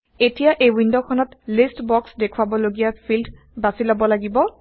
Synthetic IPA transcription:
etijaʔejwindokʰɔnɔtlistbɔksdekʰwabɔloɡijapʰildʱ | basilabɔlaɡibɔ

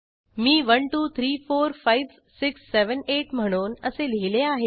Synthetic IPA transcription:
miːʋənʈuːt̪ʰɾiːfoːɾfajʋ | sɪksːeʋəneʈm̤əɽ̃oːnəseleleaɦe

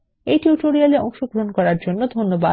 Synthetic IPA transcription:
ejʈjuʈoɾialeɔŋʃoɡɾoonkɔɾaɾd͡ʑonːod̪ʱonːoba

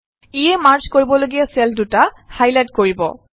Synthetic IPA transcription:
ijɛmaɹzkoɹibɔloɡijasɛlduta | hajlajtkoɹibɔ̰

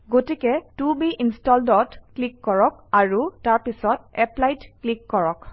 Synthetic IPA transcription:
ɡotikɛtubiʔinstɔldɔtklikːɔɹɔk̚aɹutaɹpisɔtɛplajtklikːɔɹɔk

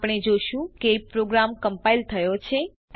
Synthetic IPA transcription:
pɽ̃ed͡ʒoʃũkepɾoɡɾamkəmpailt̪ʰəjot͡ʃʰe

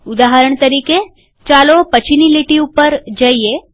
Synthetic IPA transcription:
ud̪aɦəɾəɳ̃t̪əɾiːke | t͡ʃalopət͡ʃiniliʈiupəɾd͡ʒaie

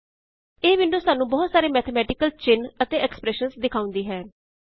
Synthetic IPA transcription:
eːʋɪɳɖoːsaːnũːbɔːt̪saːɾeːmɛːt̪ʰəmɛːʈɪkəlt͡ʃɪnət̪eːɛkspɾɛːʃənsd̪ɪkʰaːʊ̃nd̪iːɦɛː

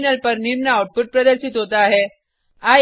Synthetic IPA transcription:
nəlpɐɾniɾmnaːwʈ̚puʈ̚pɾɐd̪əɾʃit̪ɦoːt̪aɦɛ | aː

